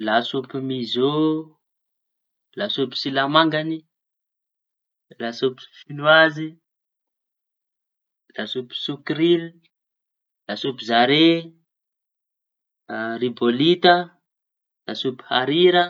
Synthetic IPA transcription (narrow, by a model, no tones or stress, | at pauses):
lasupimizo | lasupi̥silamaŋɡani | lasopi̥finuazi | lasupi̥sukɾili | lasupizaɾe | ribolit̪ə | lasupi̥haɾiɾə